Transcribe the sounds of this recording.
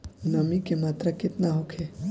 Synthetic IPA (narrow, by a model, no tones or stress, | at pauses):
nəmikemaːt̪ɾəkɪt̪naɦokʰe